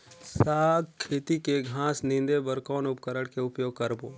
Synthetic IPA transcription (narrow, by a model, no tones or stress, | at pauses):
saːɡkʰːeːt̪ikeɡʱãːsnɪ̃nd̪ebəɾkɔːnʊpkəɾəɽkeʊpjoːɡ̚kəɾboː